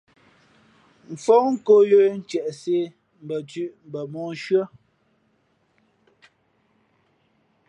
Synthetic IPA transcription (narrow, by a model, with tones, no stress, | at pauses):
m̩˨fɔ˦ŋ̩˦ko˦jo˦n̩˦t͡ʃjɛ˨ʔse˦ | m̩˨bə˨tʉ˦ʔm̩˨bə˨mɔ˨˦ʃɰə˦